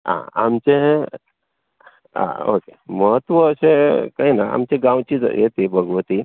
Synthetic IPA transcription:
ã̰a̰mt͡ɕe | ã̰o̰keməɦət̪ːʋəːsẽkainaa̰mt͡ɕeɡãwt͡ɕid͡zjḛt̪ibʱəɡʋət̪i

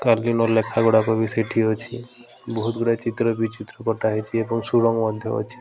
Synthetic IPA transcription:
kalinɔlekʰaɡɔɽakɔbʱiseʈʰiɦɔt͡ʃʰḭ | bɔɦut̪ɡɔɽat͡ʃit̪ɾɔbʱit͡ʃit̪ɾɔkɔʈaɦet͡ʃʰiebɔŋsuɽɔŋɡmɔd̪ʱjɔɔ̰t͡ʃʰi̥

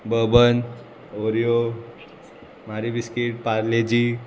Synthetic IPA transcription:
bəbən | oɾijo | maɾibiskiʈ̚paɾled͡ʑi

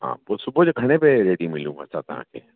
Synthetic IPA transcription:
ɦã̰ːposʊbod͡ʒɡʱɐɽ̃epeɾeːɽimɪlũɐ̰sa̰t̪ã̰ːkḛ

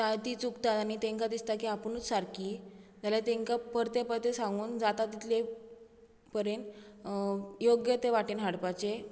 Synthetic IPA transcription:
t̪ajt̪iːt͡sukt̪at̪añit̪ẽŋkad̪ist̪akiapəñuːt͡ssaɾkiːd͡zaljat̪eŋkapəɾt̪epəɾt̪esãŋɡuːnd͡zat̪at̪ːit̪ʰle | pəɾen | joɡjət̪eʋaʈiːnɦaɽpat͡ɕe

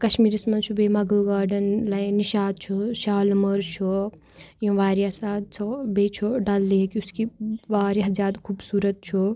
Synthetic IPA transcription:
kɐʃmiːɾismɐnt͡ʃʰubemɐɡəlɡaːɾɖɐnlɐjniʃaːd̪̚t͡ʃʰuʃaːlmɐɾt͡ʃʰu | jõʋaːɾjasaːd̪̚t͡ʃʰobeːt͡ʃʰoɖalːekiuskiʋaːɾjaɦzjaːd̪kʰubsuːɾət̪̚t͡ʃʰu

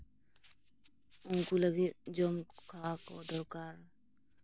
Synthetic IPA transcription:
unkulaɡit̪̚d͡ʒɔmkʰakɔd̪ɔɾkaɾ

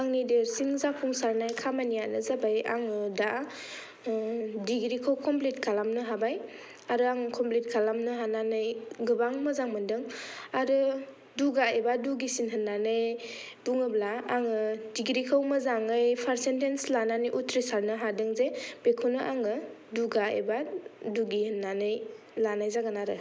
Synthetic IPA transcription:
aŋnideɾsiŋzakʰuŋsaɾnajkʰamanijanɯzabaja̰ŋɯda | diɡɾikʰawkʰɔmplitkʰalamnɯɦabaj | aɾɯaŋkʰɔmplit̚kʰalamnɯɦananɯjɡɯbaŋmazaŋmɯndɯŋaɾɯ | duɡaebaduɡisinɦɯnːanɯj | duŋɯblaaŋɯdiɡɾikʰawmazaŋɯjpʰaɾsentenslananijʔutʰɾisaɾnɯɦadɯŋzeb̥ekʰunɯʔaŋɯduɡaḛbaduɡihɯnːanɯj | lanajzaɡanaɾɯ

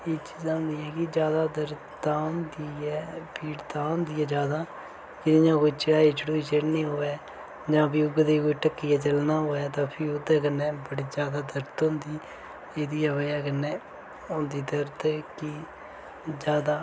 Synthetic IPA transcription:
eːt͡ʃiːzaːɦʊ̃nd̪iːɛːkɪd͡ʒjaːd̪aːd̪əɾ | t̪aːnd̪iːɛːpiːɽt̪aːʊ̃nd̪iːɛːd͡ʒjaːd̪aː | kɪnĩːãːkʊːiːt͡ʃɪɽaːiːt͡ʃɽoːiːt͡ʃeːɽnĩːɦoːɛː | d͡ʒãːbɪːʊɡd̪eːkoːiːʈəkːiːaːt͡ʃəlnaːɦoːɛːt̪ãːpʰɪːʊd̪ɛːk̬ənːɛ̃ːbəɽiːd͡ʒjaːd̪aːd̪əɾt̪oʊ̃nd̪iː | eːd̪iːəʋəaːkənːɛː | ʊnd̪iːd̪əɾt̪ɛːkɪ | d͡ʒaːd̪aː

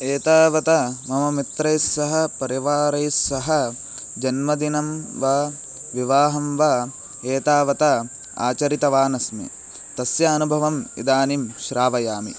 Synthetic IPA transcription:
eːt̪aːʋɐt̪ɐmɐmɐmit̪ɾɐjsːɐɦɐpɐɾiʋaːɾɐjsːɐɦɐ | d͡ʒɐnmɐd̪inɐmʋaː | ʋiʋaːɦɐmʋaː | eːt̪aːʋɐt̪ɐ | a̰ːt͡ʃɐɾit̪ɐʋaːnɐsnḭ | t̪ɐsjɐɐnubʱɐʋɐmḭd̪aːnimʃɾaːʋɐjaːmḭ

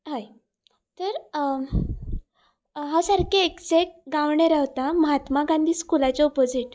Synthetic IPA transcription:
ɦaj | t̪əɾ | ɦasaɾkeeksek̚ɡaʋɳeɾaɦt̪aməɦat̪maɡãnd̪ʱiːskulat͡ɕeɔpod͡ziʈ

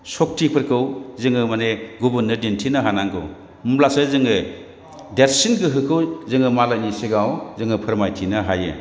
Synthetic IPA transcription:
sɔk̚tʰipʰɯɾkʰɯwzɯŋɯmaneɡubɯnːɯdintʰinɯɦanaŋkʰɯ̰w | mmlasɯzɯŋɯ | deɾsinɡɯɦɯkʰɯwzɯŋɯmalajniseɡawzɯŋɯpʰɯɾmajtʰinɯɦajɯ̰

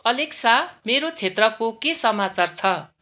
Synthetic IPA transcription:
ʌleksameɾot͡sʰet̪rʌkokesʌmat͡sart͡sʰʌ

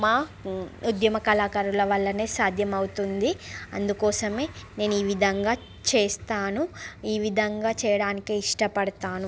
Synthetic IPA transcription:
maːud̪jɐmɐkɐlaːkɐɾulɐʋɐɭːɐneːsaːd̪ʱjɐmɐwut̪und̪iɐ̰nd̪ukɔːsɐme̞ːne̞ːnuiːʋid̪ʱɐŋɡaː | t͡ʃeːst̪aːnuiːʋid̪ʱɐŋɡaːt͡ʃɛːjɐɽaːnikeːiʂʈɐpɐɽɐt̪aːnu

